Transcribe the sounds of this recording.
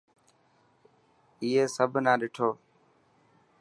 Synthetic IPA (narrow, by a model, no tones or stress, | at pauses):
iːɦeːsəbʱnãːɗɪʈʰoː